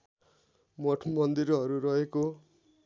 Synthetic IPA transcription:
moʈʰmʌnd̪iɾʌɾurʌɦeko

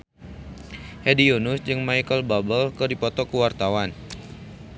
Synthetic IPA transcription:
hedionusd͡ʒɨŋmaikəlbabəlkərdipɔt̪ɔkuwart̪awan

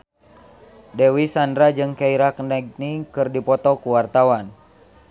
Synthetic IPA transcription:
dɛwisandɾad͡ʒɨŋkaiɾaknaɡ̚nikɨrdipɔt̪ɔkuwart̪awan

